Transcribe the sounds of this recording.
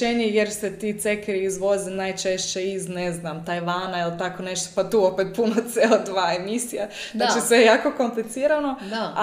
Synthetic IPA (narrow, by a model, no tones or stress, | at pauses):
eɲejeɾset̪iːt̪sekɾiizʋo̞zinaːjt͡ʃeʃt͡ɕe̞izneznamt̪ajʋaːnailt̪ako̞ne̞ʃt̪opat̪uːo̞pet̪̚punot̪seːlod̪ʋaːe̞misijaznaːt͡ʃisʋejejaːko̞ko̞mplit̪siːɾano̞